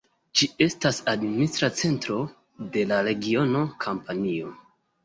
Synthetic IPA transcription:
d͡ʒie̞stasadministɾat͡se̞ntɾo̞ | de̞laɾe̞ɡio̞no̞kʰampanio̞

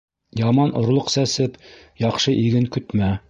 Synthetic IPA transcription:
jɑmɑnŏɾlˠoqsæsɘp | jɑqʃɤʔiɡɘŋkɵ̆t̪mæ

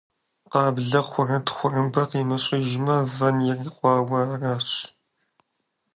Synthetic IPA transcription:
qɑːbɮɐχʷʊrɐtʰxʷʊrɨmbɐqiːmɐɕʼɪʒmɐvɐnjɛriːqʷʼɑːwɐraːɕ

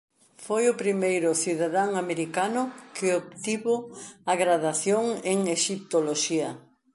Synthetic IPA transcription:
fojʊpɾimejɾʊθiðaðaŋameɾikanʊkɪop̚t̪iβʊaɣɾaðaθjoŋeŋeʃip̚t̪oloʃiɐ

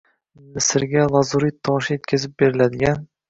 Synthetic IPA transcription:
mɪsɪɾɡʲalˠɒzuɾijt̪ʰɒʃɪje̞t̪̚kʲʰazɪp̚be̞ɾɪlad̪ɪɡʲan

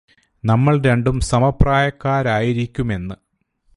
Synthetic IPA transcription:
nɐmːɐɭɾe̞ɳɖumsɐmɐpːraːjɐkːaːɾaːjiɾikʲːume̞nːɨ

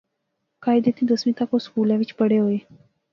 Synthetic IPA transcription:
kɑjd̪et̪id̪əsmit̪akoskulawit͡ʃpəɽewe

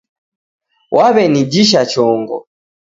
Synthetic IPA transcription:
wʔaβɛnid͡ʒiʃ̬at͡ʃɔŋɡɔ̰

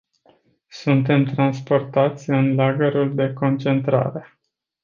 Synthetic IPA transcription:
sunt̪̬e̞mt̪ɾanspo̞rt̪at̪sʲɨnlaɡəɾuld̪e̞ko̞nt͡ʃe̞nt̪ɾa̰ɾe̞

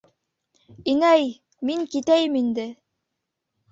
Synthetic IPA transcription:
inæj | miŋkit̪æjɘmind̪ɘ

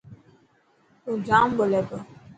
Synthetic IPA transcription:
od͡ʒam̩bolɛbə

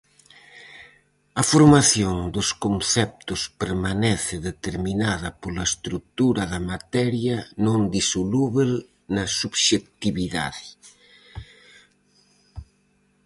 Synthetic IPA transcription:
ɐfoɾmaθjoŋd̪ʊskonθɛp̚t̪ʊspeɾmanɛθɪðet̪eɾminaðɐpolɐest̪ɾuk̚t̪uɾɐðɐmat̪ɛɾjɐnõŋd̪isoluβel | nɐsuβʃek̚t̪iβiða̰ðɪ

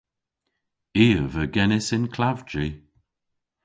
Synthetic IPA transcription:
iːəvəɡɛnɪsɪnkʰlavd͡ʒi

